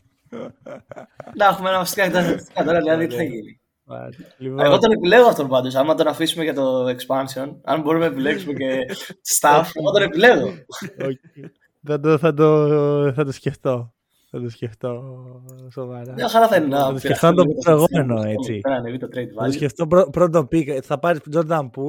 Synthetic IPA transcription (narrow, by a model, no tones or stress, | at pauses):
nɐexumeenɐvɐfsi̥kɐkt̪ɐkɐt̪ɐɾɐiɐðit̪iθɐʝini | ɐ̰liveɣot̪one̞pile̞ɣoɐft̪ompɐnd̪os̬ɐmɐt̪o̞nɐfisumeʝɐt̪o̞ekspɐnsio̞nɐ̰mbo̞ɾumeɐepile̞ksumece̞̥st̪ɐfeɣot̪one̞pile̞ɣoo | θɐd̪oθɐd̪oθɐt̪osce̞ft̪o̞ | θɐt̪osce̞ft̪o | sovɐɾɐxɐlɐθɐinnɐɐt̪oseft̪onɐt̪oisoeɣomeno̞e̞t͡siɐnɐnevit̪ot̪ɾejd̪vɐtosceft̪opɾopɾod̪opikθɐpɐɾisd͡ʒoɾd̪ɐmpu